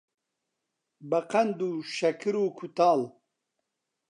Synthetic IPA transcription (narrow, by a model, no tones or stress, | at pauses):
bɐqɐnd̪uʃɐkʰɨɾuːkʰut̪aːl